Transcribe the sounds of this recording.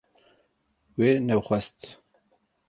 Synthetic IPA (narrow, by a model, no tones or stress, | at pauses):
weːnɛwχʷɛst̪